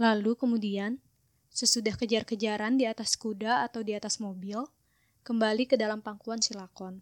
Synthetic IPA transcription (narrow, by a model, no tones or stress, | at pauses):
lalukəmudian | səsudahkəd͡ʒarkəd͡ʒaɾandiat̪askudaːt̪awdiat̪asmobil | kəmbalikədalampaŋkuansilakɔn